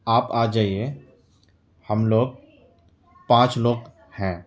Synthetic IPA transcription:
aːpaːd͡ʒaːie | həmloːɡ̚ | pãːt͡ʃloːɡ | hɛ̃ː

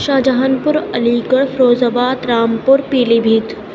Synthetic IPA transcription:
ʃaːd͡ʒɐɦənpʊɾɐliːkəɽfʰɾoːzabaːd̪ɾaːmpʊɾpiːlibʱiːt̪

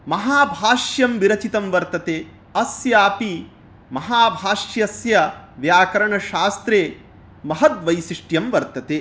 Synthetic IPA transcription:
mɐɦaːbʱaːʂjɐmʋiɾɐt͡ʃit̪ɐmʋɐɾt̪ɐt̪eː | ɐsjaːpi | mɐɦaːbʱaːʂjɐsjɐʋjaːkɐɾɐɳɐʃaːst̪ɾeː | mɐɦɐt̪ʋɐjsiʂʈjɐmʋɐɾt̪ɐt̪eː

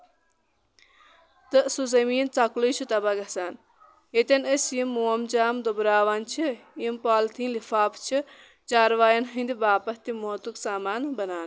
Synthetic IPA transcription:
t̪ɨsuzɐmiːnt͡sɐklut͡ʃʰut̪ɐbaɡɐsaːn | et̪ʲɐnəsjimːoːɐmt͡ʃaːmd̪obɾaːʋaːnt͡ʃʰijimpaːlt̪ʰiːnlifaːpt͡ʃʰi | t͡ʃaːɾʋaːjɐnɦɐ̃nd̪ibaːpɐt̪imoːt̪uksaːmaːnbɐnaːn

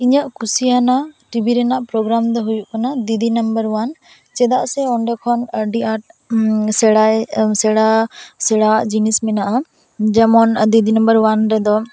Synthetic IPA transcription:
iɲaʔkusijanaʈibʱiɾɛnaʔpɾɔɡɾamd̪ɔɦujuʔkanad̪id̪inəmbəɾwan | t͡ʃɛd̪aʔsɛɔɳɖɔkʰɔnəɖiaʈ̚sɛɽajsɛɽasɛɽaʔd͡ʒinismɛnaʔa | d͡ʒɛmɔnd̪id̪ʱinəmbəɾwanɾɛd̪ɔ

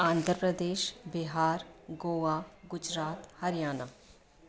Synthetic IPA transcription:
ãːnd̪ʱəɾpɾəd̪eːʃbɪɦaːɾɡoːʋaːɡʊd͡ʒɾaːt̪hɐɾjaːnə

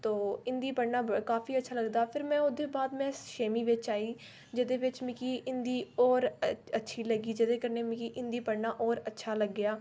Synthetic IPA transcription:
t̪oːɪnd̪iːpəɽnaːkaːpiːətːʃʰaːləɡd̪aːpʰɪɾmɛ̃ːʊd̪eːbaːd̪mɛ̃ːʃeːmiːʋɪt͡ʃaːiː | d͡ʒəd̪eːʋɪt͡ʃmɪkiːʔɪnd̪iːɔːɾətːʃʰiːləɡiːd͡ʒəd̪eːkəɾneːmɪkiːʔɪ̃nd̪iːpəɽnaːʔɔːɾətːʃʰaːləɡːɪjaː

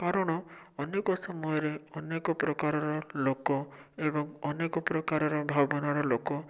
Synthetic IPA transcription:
kaɾɔɽ̃ɔɔnekɔsɔmɔjɔɾeɔnekɔpɾɔkaɾɔɾɔlokɔebɔŋɔnekɔpɾɔkaɾɔɾɔbʱabɔnɔɾɔlokɔ

